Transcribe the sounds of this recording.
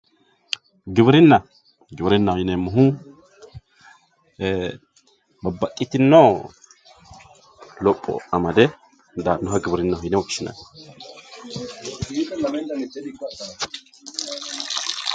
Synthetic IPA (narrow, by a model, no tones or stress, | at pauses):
ɡɪβɪɾɪnːɐ | ɡɪbɪɾɪnːɐhɔjɪnɛmːʊɦu | bɐbːɐkʼːɪt̪ɪnːo | lɔpʼːɔ̰ɐmɐd̪ɛ | d̪anːɔɦɐɡɪbɾɪnːɐhɔjɪnɛwɔkʃɪnɐ̰n